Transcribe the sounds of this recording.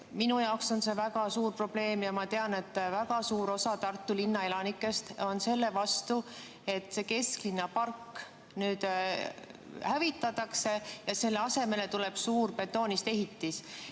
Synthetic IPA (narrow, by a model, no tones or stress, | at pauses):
minujɑokso̞nse̞væɡɑsuːrpro̞b̥le̞ːmjɑmɑt̪e̞ɑne̞t̪ːˑvæɡɑsuːɾo̞sɑt̪ɑrt̪ːˑulinːɑe̞lɑnikːˑe̞st̪o̞nse̞lːe̞vɑst̪u | e̞t̪ːse̞ke̞sklinːɑpɑrkː | nyːd̪̥ | hævit̪ːˑɑt̪ːˑɑkse̞jɑse̞lːe̞ɑse̞me̞le̞t̪ule̞b̥suːrpe̞t̪ːˑo̞ːnist̪e̞ɦit̪ːis